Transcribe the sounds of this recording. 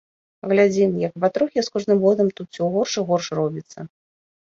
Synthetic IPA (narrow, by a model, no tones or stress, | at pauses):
ɣlʲad͡zʲimjɐkbat̪ɾuxʲɛskɔʐnɨmɣɔd̪ɐmt̪ut̪̚t͡sʲiwɣɔrʂɨɣɔrʂrɔbʲit̪sːɐ